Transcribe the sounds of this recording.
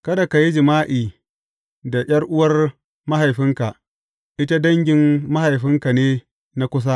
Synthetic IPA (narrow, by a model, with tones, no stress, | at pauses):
kɐ˦da˨ka˨ji˦d͡ʒɪ˨maː˦ʔiː˨ | da˨j̰ʲɐ˦rʔʊ˦wɐ˦r | ma˦ɦa˨jɸɪ˦ŋka˨ | ʔɪ˦ta˦dɐ˦ŋɡʲɪ˨mːa˦ha˨jɸɪ˦ŋka˨neː˦ | na˦kʷʊ˦s̬a˦